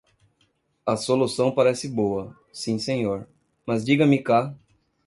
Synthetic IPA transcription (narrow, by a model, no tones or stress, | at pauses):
ɐsolusɐ̃w̃paɾɛsɪboɐ | sĩsẽɲoɾ | mɐzd͡ʒiɡɐmɪka